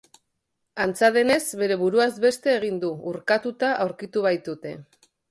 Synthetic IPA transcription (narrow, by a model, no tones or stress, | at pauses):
ant͡saðe̞ne̞zβe̞ɾe̞βuɾuazbe̞st̪e̞ːɣ̞ind̪uuɾkat̪ut̪aʔawɾkit̪uβ̞ajt̪ut̪e̞̰